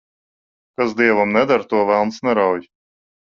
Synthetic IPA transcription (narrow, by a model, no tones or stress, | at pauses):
kazd̪iɛvamnɛd̪aɾt̪uɔvælˠnsnɛɾawj